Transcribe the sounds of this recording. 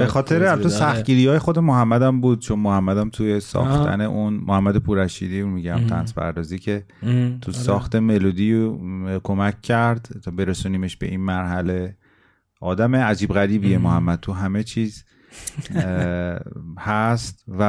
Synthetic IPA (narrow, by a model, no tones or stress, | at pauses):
be̞xɒːt̪ʰeɾeælfesæxt̪ɟiːɾijɒːje̞xo̞d̪emoɦæmːæd̪æmbuːd̪̚t͡ʃʰo̞nmohæmːæd̪æmt̪ʰujesɒ̰ːxt̪ʰæ̰ne̞ʔunmʔohæmːæd̪epʰuːɾæʃiːd̪imiɟæmt̪ʰæ̰nspʰæ̰ɾd̪ɒːziːcʰe̞ | t̪ʰusɒːxt̪e̞me̞lud̪i | kʰomæcʲʰːæɾd̪t̪ʰɒːbe̞ɾesuniːme̞ʃbe̞̰ʔinmæɾɦæle̞ | ʔɒːd̪æmeæd͡ʒiːbɣæɾiːbijemohæmːæd̪̚t̪ʰuɦæme̞t͡ʃʰiːz | hæst̪væ